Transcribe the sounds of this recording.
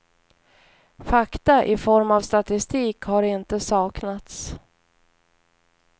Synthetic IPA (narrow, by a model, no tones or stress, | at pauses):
fakt̪aʔɪfɔɾmavst̪at̪ɪst̪iːkhaɾɪnt̪əsɑːknat̪s